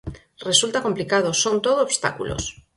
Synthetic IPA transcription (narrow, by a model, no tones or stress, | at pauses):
re̞sult̪ako̞mplikað̞o̞so̞nt̪o̞ðoːβst̪a̰kulo̰s